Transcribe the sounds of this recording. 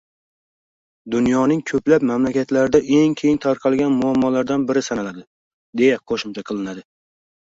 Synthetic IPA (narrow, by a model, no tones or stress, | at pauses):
d̪ʊnjɒnɪŋkʲʰɵplapmamlakʲʰat̪laɾɪd̪aʔe̞ŋkʲʰejɪŋt̪ʰaɾqʰɑlˠɡʲanmʊamːɒlaɾd̪anbɪɾɪsanalad̪ɪ | d̪e̞jaqʰoʃɪmt͡ʃʰaqʰɨlˠɪnad̪ɪ